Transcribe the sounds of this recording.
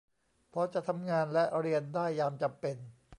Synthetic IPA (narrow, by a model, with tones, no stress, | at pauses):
pʰɔ˦˥t͡ɕa˨ʔt̪ʰa˧mŋaː˧nlɛ˦˥ʔɾi˧əndaː˥˩jːaː˧mt͡ɕa˨mpe˧n